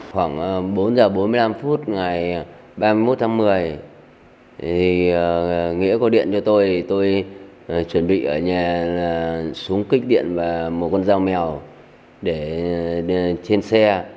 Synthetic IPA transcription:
xwaː˧˩ŋ˩ɓo˨˦nzəː˨˩ɓo˨˦nmɨ˧əjla˧mfu˦˥t̚ŋa˨˩j | ɓaː˧mɨ˧jmo˦˥t̚t̪ʰa˨˦ŋmɨ˨˩əj | t̪ʰi˨˩ | ŋḭ˧˥əkɔ˨˧˦ɗḭ˧˨ənt͡ɕɔ˧t̪o˧jt̪o˧j | t͡ɕwə˧˩nɓḭ˧˨ʔəː˧˩ɲaː˨˩laː˨˩su˨˦əŋki˦˥k̟̚ɗḭ˧˨ənvaː˨˩mo˨˩t̚kɔ˧nzaː˧wmɛ˨˩əw | ɗe˧˩ | t͡ɕe˧nsɛ˧

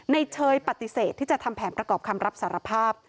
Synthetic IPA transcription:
na˧jt͡ɕʰɤː˧jpa˨˩t̪i˨˩seː˨˩t̪ʰːiː˥˩t͡ɕa˨˩t̪ʰa˧mpʰɛː˩˦npɾa˧kɔː˨˩p̚kʰa˧mɾa˦˥p̚saː˩˦ɾa˧pʰaː˥˩p̚

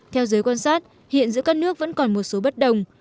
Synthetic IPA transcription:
t̪ʰɛ˧wzəː˨˦jkwaː˧nsaː˦˥t̚ | hḭ˧˨ənzɨ̰˧˥kaː˦˥k̚nɨ˦˥ək̚və̰˧˥nkɔ˨˩nmo˨˩t̚so˨˦ɓə˦˥t̚ɗə˨˩wŋ͡m

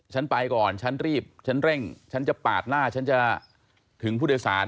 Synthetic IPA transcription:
t͡ɕʰa˦˥npa˧jkɔː˨˩nt͡ɕʰa˦˥nɾiː˥˩p̚t͡ɕʰa˦˥nɾɛ˥˩ŋt͡ɕʰa˦˥nt͡ɕa˨˩paː˨˩t̪̚naː˥˩t͡ɕʰa˦˥nt͡ɕa˨˩ | t̪ʰɯ˩˦ŋpʰuː˥˩˧wsa̰ː˩˦n

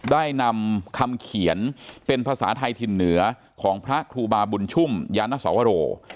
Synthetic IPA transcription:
daː˥˩jna˧mkʰa˧mkʰi˩˦ənpe˧npʰaː˧sa̰ː˩˦t̪ʰa˧jt̪ʰi˧nːɯ˩˦ɐ | kʰɔː˩˦ŋpʰɾa˦˥kʰɾuː˧baː˧bu˧nt͡ɕʰu˥˩mjaː˧nːa˦˥sɔ̰ː˩˦wa˧ɾoː˧

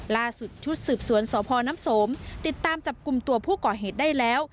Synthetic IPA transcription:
laː˧˥˩su˨˩t̪̚t͡ɕʰu˦˥t̪̚sɯː˨˩p̚su˨˩˦ənsɔː˨˦pʰɔː˧naː˧˥˨mso˨˦mt̪i˨˧˩t̪ːaː˧mt͡ɕa˨˩p̚ku˨˩mt̪u˧ɐpʰuː˥˩kɔː˨˩ɦeː˨˩t̪̚da˥˩jlɛː˦˥˩w

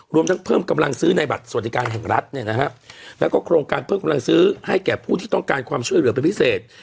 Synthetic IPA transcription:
ɾu˧əmt̪ʰa˦˥ŋpʰɤː˥˩mka˧mla˧ŋsɯː˦˥na˧jba˨˩t̪̚su˨˩a˩t̪̚ʰːi˧kaː˧nɦɛ˨˩ŋɾa˦˥t̪̚ni˥˩ɐna˦˥kʰa˦˥lɛː˦˥wkɔː˥˩kʰɾoː˧ŋkaː˧npʰɤː˥˩mka˧mla˧ŋsɯː˦˥ha˥˩jkɛː˨˩pʰuː˥˩t̪ʰiː˥˩t̪ɔ˥˩ŋkaː˧nkʰwaː˧mt͡ɕʰu˥˩əjlɯ˩˦ɐpe˧npʰi˦˥seː˨˩t̪̚

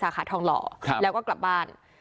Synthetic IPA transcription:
saː˨˩˦xʰaː˨˩t̪ʰɔː˧˩ŋlɔ̰ː˩˦˧lɛː˨˦˥wkɔː˥˩kla˨˩p̚baː˥˩n

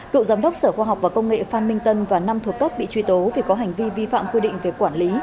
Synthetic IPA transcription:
kɨ̰˧˨wzaː˨˦mɗə˦˥wk͡p̚səː˧˩xwaː˧ɦa˨˩k͡p̚vaː˨˩kə˧wŋ͡mŋḛ˧˨faː˧nmï˧ŋ̟t̪ə˧nvaː˨˩na˧mt̪ʰət̪o˦˥t̚ɓḭ˧˨t͡ɕwi˧˩t̪o˨˦vi˨˩kɔ˨˦ɦa˨˩jŋ̟vi˧vi˧fa̰ː˧˨mkwi˧ɗḭ̈˧˨ŋ̟ve˨˩kwaː˧˩nli˨˦

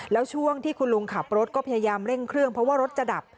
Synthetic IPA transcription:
lɛː˦˥wt͡ɕʰu˥˩əŋt̪ʰiː˥˩kʰu˧nlu˧ŋkʰa˨˩p̚ɾo˦˥t̪̚kɔː˥˩a˧jaː˧jaː˧mɾe˥˩ŋkʰɾɯ˥˩əŋpʰɾɔ˦˥waː˥˩ɾo˦˥t̪̚t͡ɕa˨˩da˨˩p̚

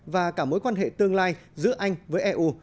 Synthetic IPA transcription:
vaː˨˩kaː˧˩mo˨˦jkwaː˧nɦḛ˧˨t̪ɨ˧əŋlaː˧jzɨ̰˧˥əʔa˧jŋ̟vəː˨˦jʔɛː˧ʔu˧

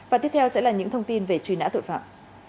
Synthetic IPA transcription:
vaː˨˩i˦˥əp̚t̪ʰɛ˧wsɛ̰˧˥laː˨˩ɲɨ̰˧˥ŋt̪ʰə˧wŋ͡mt̪i˧nve˨˩t͡ɕwi˨˩na̰ː˧˥t̪ʰo̰˧˨fa̰ː˧˨ʔ

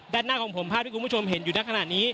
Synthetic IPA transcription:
daː˥˩nːaː˥˩kʰɔː˩˦ŋpʰo˩˦mpʰaː˥˩t̚ʰiː˥˩kpʰo˧mɦe˩˦njuː˨˩na˦˥kʰa˧naː˨˩niː˦˥

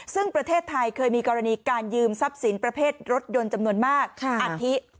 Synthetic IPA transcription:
sɯ˥˩ŋpɾa˧t̪ʰeː˥˩t̪ʰːa˧jkʰɤː˧jmiː˧kɔː˧ɾa˧niː˧kaː˧njɯː˧msa˦˥p̚si˩˦npɾa˧pʰeː˥˩t̪̚ɾo˦˥t̪̚jo˧nt͡ɕa˧mnu˧ənmaː˥˩k̚kʰʔa˧tʰi˦˥ʔ

